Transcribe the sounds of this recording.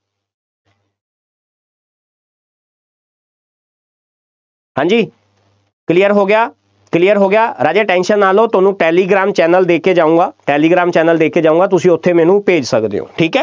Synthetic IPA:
hãːɲd͡ʒiː | klijəɾɦoːɡɪjaː | klijəɾɦoːɡɪjaːɾaːd͡ʒeːʈɛ̃ːnʃənːaːloːt̪ʊnũːʈɛːliːɡɾaːmt͡ʃɛːnəld̪eːkʰeːd͡ʒaːũːɡaːʈɛːliːɡɾaːmt͡ʃɛːnəld̪eːkʰeːd͡ʒaːũːŋɡaːt̪ʊsĩːʊt̪ʰːeːmɛːnũːpeːd͡ʒsəkd̪ḛːo̰ːʈʰiːkɛː

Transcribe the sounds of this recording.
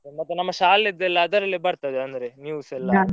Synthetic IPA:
mɐt̪ːunɐmːɐʃaːlid̪ːɛlːɐːd̪ɐɾɐlːebɐɾt̪ɐd̪eɐnd̪ɾenjuːsɛlːɐ

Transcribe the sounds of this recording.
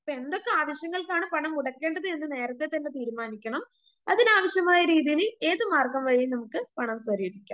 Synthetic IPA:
pːoe̞nd̪okːeaːʋɐɕjɐŋːɐɭkaːɳɨpɐɳɐmuɽɐkːe̞ːɳɖɐðɨenːɨne̞ːɾɐt̪ːe̞t̪ːɐnːe̞t̪iːɾumaːnikʲːɐɳɐm | ɐðinaːʋɐɕjɐmaːjɐɾiːðijileːðɨmaːrkɐmʋɐɻijinɐmukːɨpɐɳɐmsɐɾijiɾikʲːa̰ː

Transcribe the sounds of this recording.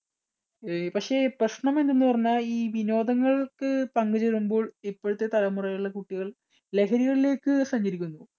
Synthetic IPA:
pɐkʂe̞ːprɐɕɳɐme̞nd̪enːɨpɐrɐɲːaːliːʋino̞ːd̪ɐŋːɐɭkɨpɐŋɡɨt͡ɕeɻumbo̞ːɭipːo̞ːɻut̪ːe̞t̪ɐlɐmurɐjuɭːɐkuʈːiɣɐɭ | le̞kʰɐɾiɣɐɭile̞ːkːɨsɐɲd͡ʑɐɾikʲːunːu

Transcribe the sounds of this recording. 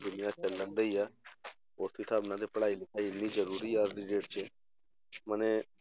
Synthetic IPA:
d̪ʊnɪjãːt͡ʃəlːənd̪əiːaː | oːɾt̪ʰiːt̪ʰaːbnãːt̪̬epəɽaːiːlɪkʰːaːiɪnːiːd͡ʒəɾuːɾiːaːɾd̪ɪd͡ʒeːʈt͡ʃe | mənẽː

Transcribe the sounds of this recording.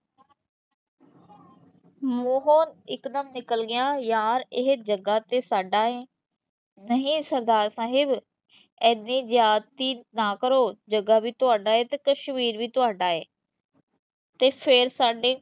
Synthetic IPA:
moːɦoːnɪkd̪əmnɪkəlɡɪjãːjaːɾɪɦd͡ʒəɡaːt̪eːsaːɖãːẽː | nəɦĩːsəɾd̪aːɾsaːɦɪb | ɛːnĩːzjaːt̪ːiːnaːkəɾoːd͡ʒəɡaːʋiːt̪ʊaːɖaːeːt̪eːkəʃmiːɾʋiːt̪ʊaːɖaːeː | t̪eːpʰeɾsaːɖeː

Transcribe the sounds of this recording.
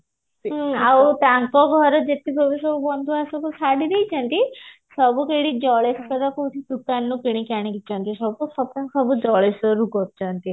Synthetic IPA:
ɦawt̪aŋkɔɡʱɔɾɔd͡ʒet̪iɡobisɔbubɔnd̪ʱuasɔkusaɖid̪ejt͡ʃʰɔnt̪isɔbukeɽid͡ʒɔɭeskɔd̪akot̪ʰid̪ukanːukiɽ̃ikaɽ̃ikit͡ʃʰɔnt̪isɔbkusɔb̚kaŋkʰɔbud͡ʒɔɭesɔɾuɡɔtt͡ʃʰɔnt̪i

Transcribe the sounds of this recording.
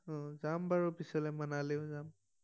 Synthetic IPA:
ɔ̃zambaɹupisɔlɛmanaleʊ̃zam

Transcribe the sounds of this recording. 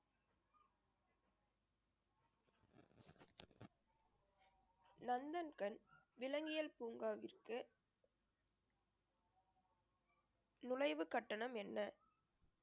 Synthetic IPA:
nɐnd̪ɐnkɐnʋɪlɐŋɡɪjɐlpuːŋɡaːʋɪrkɯ | nʊlɐɪʋɯkɐʈːɐɳɐmɛnːɐ

